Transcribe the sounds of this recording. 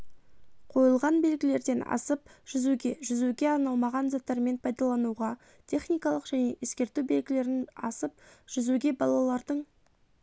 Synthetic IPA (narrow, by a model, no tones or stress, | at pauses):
qʰo̞jəlˠʁɑnbe̞lɡʲɪle̞ɾd̪e̞nɑ̰səpʒ̥ʏzuɡʲe̞ʒʏzuɡʲe̞ɑɾnɑlˠmɑʁɑnzɑt̪ːɑɾme̞npʰɑjd̪ɑlˠɑnuʁɑ | t̪ʲʰe̞χnijkɑlˠəqʒ̥æne̞ʔeskʲe̞ɾt̪ube̞lɡʲɪle̞ɾɪnɑ̰səpʒ̥ʏzuɡʲe̞bɑlˠɑlˠɑɾd̪əɴ